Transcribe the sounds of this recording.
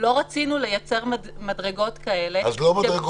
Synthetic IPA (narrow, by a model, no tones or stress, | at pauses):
lo̞ʁat͡sinule̞jat͡se̞ʁm | madʁeɡo̞t̪kae̞le̞azlomaʁeɡ